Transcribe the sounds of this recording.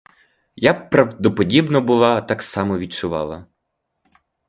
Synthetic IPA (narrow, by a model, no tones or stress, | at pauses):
japɾɐwd̪ɔpɔdʲibnɔbʊlˠɑt̪ɑksɑmɔʋʲid̪̚t͡ʃʊʋɑ̰lˠɐ̰